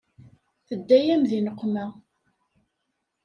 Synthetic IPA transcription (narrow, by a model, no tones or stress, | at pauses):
θəd̪ːæjæmðinəqːmæ